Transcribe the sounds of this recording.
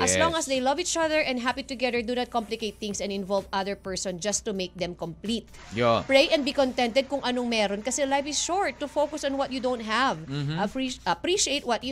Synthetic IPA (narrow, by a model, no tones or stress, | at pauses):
ʔɐslɔ̃ŋɐsd̪eɪjlɐviːt͡ʃɐðəɹʔɛ̃nd̪ɦapit̪ʊɡɛðəɹd̪unɐt̪̚kɔ̃mplɪkejt̪̚θɪ̃ŋsɛ̃nɪ̃nvɔlvɐðəɹpɛɹsɔ̃nd͡ʒɐst̪umeɪk̚d̪ɛ̃mkɔ̃mplit̪̚ | jopɹejʔɛ̃nbikɔ̃nt̪ɛ̃nt̪ɛd̪̚kʊŋʔɐnoŋmɛːɾonkɐsɛlajfɪʃɔɹt̪ːʊfowkʊsɔ̃nwɐt̪̚jud̪õwnt̪̚ɦævɐpɹiʔɐpɹiʃiejt̪̚wɔt̪̚ju